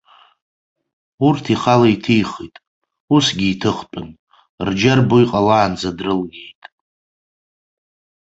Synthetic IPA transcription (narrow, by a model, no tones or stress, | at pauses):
urtʰiχalaitʰijχḭtʼ | usɡʲiːtʰɨχpʼɨn | rd͡ʒarboiqʼalaːnd͡zadrɨlɡʲejtʼ